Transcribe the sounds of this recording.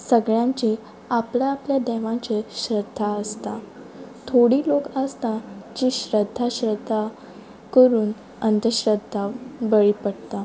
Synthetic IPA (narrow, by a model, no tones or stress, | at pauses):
səɡɭjãɲt͡ɕi | aplaːpljad̪ɛʋãt͡ɕeɕɾəd̪ʱːaəst̪a | t̪ʰoɽiːlokəst̪ad͡ʑiːɕɾəd̪ʱːaɕɾəd̪ʱːa | kəɾuːn | ənd̪ʱəɕɾəd̪ʱːabəɭipəɽt̪a